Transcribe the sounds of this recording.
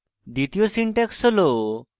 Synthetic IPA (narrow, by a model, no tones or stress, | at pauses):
d̪it̪ijosiɳʈɛksəlo